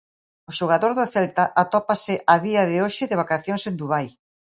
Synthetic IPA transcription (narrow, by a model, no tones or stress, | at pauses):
ʊʃoɣaðoɾðʊθɛlt̪aʔat̪ɔpasɪʔaðiaðɪoʃɪðɪβ̞akaθjoŋsend̪uβaj